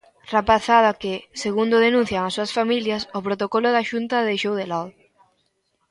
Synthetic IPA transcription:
rapaθaðakeseɣund̪ʊðenũn̟θjaŋasːuasfamiljasopɾot̪okoloðaʃunt̪aðeʃowðelað

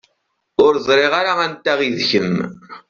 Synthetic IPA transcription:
ʊɾzˤɾˤeʁaɾaænt̪ːæʁiðçəm

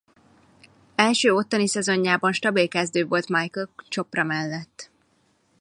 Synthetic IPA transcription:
ɛlʃøːo̞t̪ːɒnisɛzo̞ɲːaːbɒnʃt̪ɒbilkɛzd̪øːvo̞lt̪majkølt͡ʃo̞prɒmɛlːɛt̪ː

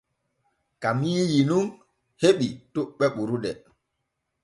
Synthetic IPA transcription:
kamiːjinuŋ | heɓituɓɛɓuɾuɗɛ

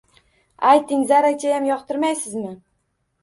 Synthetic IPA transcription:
ajt̪ʰɪŋzaɾat͡ʃʰʲajamjɒqt̪ʰɪɾmajsɪzmɪ

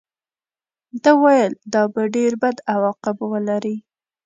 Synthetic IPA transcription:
d̪əwajəld̪ɑbaɖeɾbad̪awɑqɪbwəlaɾi

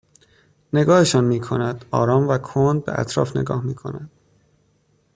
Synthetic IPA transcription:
ne̞ɡɒːheʃɒːnmiːkʰo̞næd̪̥ɒ̰ːɾɒːmvækʰond̪̚bḛʔæ̰t̪ʰɾɒ̰ːfne̞̰ɡɒːhmiːkʰo̞̰næd̪̥

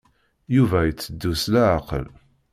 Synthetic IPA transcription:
juvæjət͡sːəd̪ːuslæʕaqə̰l

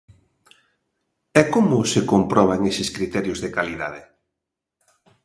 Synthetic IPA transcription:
ɛkomʊsekompɾɔβ̞aŋesɪskɾit̪ɛɾjʊzðekaliða̰ðe

